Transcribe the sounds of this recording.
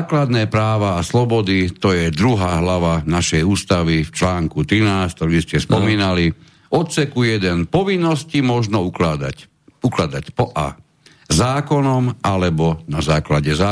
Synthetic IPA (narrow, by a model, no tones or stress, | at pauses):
klad̪nɛːpɾaːʋaːslɔbɔd̪it̪ɔjɛd̪ɾuɦaːɦlaʋanaʃɛjuːst̪aʋift͡ʃlaːŋkut̪ɾinaːst̪ɔɾiscɛspɔmiːnali | ɔt̪sɛkujɛd̪ɛnpɔʋinːɔscimɔʒnɔukad̪a̰ | uklad̪acpɔʔa̰ː | zaːkɔnɔmalɛbɔnazaːklaɟɛzaː